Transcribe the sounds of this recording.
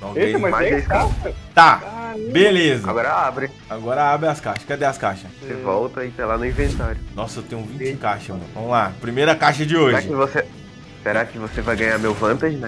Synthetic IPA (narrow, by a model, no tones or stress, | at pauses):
nãeejmamaẽskaʃɐt̪aabelezɐa̰ɡɔɾɐabɾɪ | aɡɔɾɐabɾɪaskaʃɐskɛd̪ɛaskaʃɐsevɔwt̪ɐit̪ãlanʊĩvẽnt̪aɾjʊnɔsʊewt̪ẽɲjʊvĩt͡ʃɪkaʃɐɐ̰̃vɐ̃mʊlapɾimejɾɐkaʃɐd͡ʒɪoʒɾaɪkɪvose | seɾakɪvosevajɡɐ̃ɲaɾmewvɐ̃t̪aʒɪnɛ